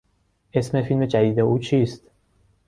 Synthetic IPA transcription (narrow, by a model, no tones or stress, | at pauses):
ʔe̞smefilmed͡ʒæd̪iːd̪euːt͡ʃʰiːst̪